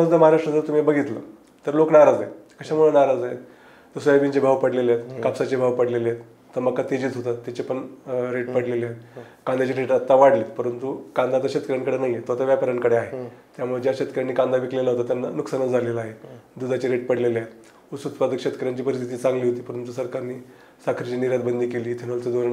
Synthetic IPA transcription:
t̪əməɦaɾaʂʈɾəd͡zəɾt̪umibəɡʱit̪lə̰ | t̪əɾloknaɾad͡zaekəɕamuɭənaɾad͡zae | t̪əsʋabiɲt͡ɕebʱaʋpəɽlelet̪kapsat͡ɕebʱaʋpəɽleleet̪ː | əɾməkːat̪ed͡ʑiːt͡sɦot̪at̪ːat͡ɕepəɳɾeʈpəɽlelejet̪ | kãnd̪at͡ɕiɾeʈat̪ːaʋaɽliːt̪pəɾənt̪ukand̪at͡səɕet̪kəɾjankəɽenaɦijet̪at̪aʋjapəɾjaɳkəɽeaɦet̪jamuɭed͡ʑjaɕet̪kəɾjanːikand̪aʋiklelaɦot̪at̪janːanuksanət͡sd͡zʱalelaːɦed̪ud̪at͡ɕeɾeʈpəɽleleat̪ | usut̪pad̪əkɕet̪kəɾjaɲt͡ɕiːpəɾis̬t̪ʰit̪iːt͡sãŋɡliːɦot̪iːpəɾənt̪usəɾkaɾniː | sakʰɾit͡ɕiniɾjad̪̚bənd̪ʱiːkeliːt̪ʰenolt͡sed̪oɾn

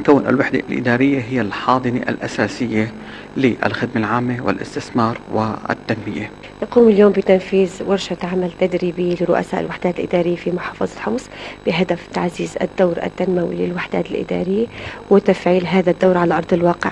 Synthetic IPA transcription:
kawːnʔɪ̰lwaħd̪alʔɪ̰d̪aːɾɪjːaɦɪjːalħɑːd̪ˤɨna̰ʔa̰lʔasaːsɪjːa | lɪʔa̰lxɪd̪malʕaːmːewɪ̰lʔɪ̰st̪ɪθmɑːɾˤwɪ̰ɪ̰t̪ːanːɪja | nɑquːmɪljoːmbɪt̪anfiːzwɪɾˤʃat̪ʕamalt̪ad̪ɾiːbijlɪɾʊʔa̰saːʔɪ̰lwaħd̪aːt̪ɪlʔɪd̪ɑːɾɪjːafimʊħɑːfɑzˤɑlħʊmsb̥ɪɦad̪aft̪aʕziːza̰d̪ːawɾʔa̰t̪ːanmawḭlɪ̰lwaħd̪aːt̪ɪlʔɪ̰d̪ɑ̰ːɾɪjːawɪt̪afʕiːlɦaːðad̪ːawɾʕalaʔɑɾˤd̪ˤɪlwɑːqɪ̰ʕ

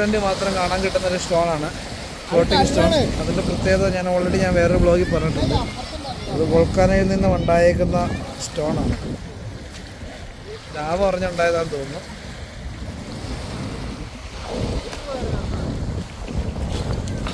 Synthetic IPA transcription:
ɐndɨmaːt̪rɐmkaːɳaːŋkiʈːunːɐoɾusʈo̞ːɳaːɳɨ | po̞ːʈːiŋɡsʈoːɐðindeprɐt̪ːjeːðɐɲaːnoːɭɐiɽiɲaːnʋe̞ːrebɭo̞ːɡipːɐreːʈːiɳɖu | ɐðɨʋoɭkːaːnɐjilninːumuɳɖaːjiɾikʲːunːɐsʈo̞ːɳaːɳɨ | daːʋɐpɐrɐɲːuuɳɖaːjɐðaːɳt̪o̞ːnːu

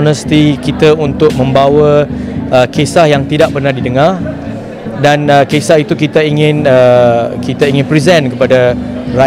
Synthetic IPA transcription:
nə̃st̪ikit̪aunt̪ʊk̚mə̃mbawəəkesahjaŋt̪idak̚bərnardidəŋãr | danəkesahit̪ukit̪aiŋɪ̃nəkit̪aiŋɪ̃npɾizɛ̃nkəpadara

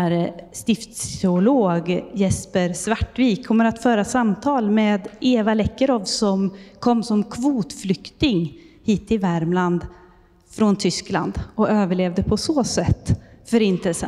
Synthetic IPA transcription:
æɾst̪ɪft̪sɛʊloːɡjɛspəɾsvaʈːviːkʰːɔmːəɾat̪fœːɾasamt̪ʰɑːlmeːd̪eːvalɛkːəɾɔvsɔmkʰɔmːsɔmkʰvuːt̪flʏkt̪ɪŋ | hiːt̪ʰːɪvæɾmland̪ | fɾɔnt̪ʰʏskla̰nd̪ɔøːvəɭeːvd̪əpʰɔsoːsɛt̪ːfœɾɪnt̪əsə̰

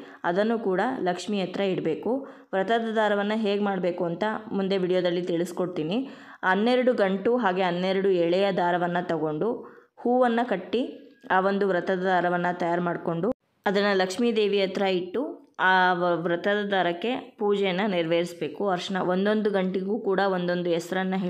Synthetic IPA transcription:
ɐd̪ɐnːukuːɽɐlɐkʂmiːjɐt̪ɾɐiɽbe̞ːku | ʋɾɐt̪ɐd̪ɐd̪aːɾɐʋɐnːɐɦe̞ːɡmaːɽbe̞ːkuɐnt̪ɐmund̪e̞ʋiːɽijoːd̪ɐlːit̪iɭisko̞ɽt̪iːni | ɐnːeɾɐɽuɡɐɳʈuɦaːɡe̞ɦɐnːeɾɐɽuɛɭɛjɐd̪aːɾɐʋɐnːɐt̪ɐɡo̞ɳɖuhuːʋɐnːɐkɐʈːiaːʋo̞nd̪uʋɾɐt̪ɐd̪ɐd̪aːɾɐʋɐnːɐt̪ɐjaːɾmaːɖko̞ɳɖu | ɐd̪ɐnːɐlɐkʂmiːd̪e̞ːʋijɐt̪ɾɐiʈːuaːʋɾɐt̪ɐd̪ɐd̪aːɾɐkːe̞puːd͡ʒɛjɐnːɐniɾʋeɾisbe̞ːkuɐɾʂɐɳɐʋo̞nd̪o̞nd̪uɡɐɳʈiɡuːkuːɽɐʋo̞nd̪o̞nd̪uɛsɾɐnːɐɦe

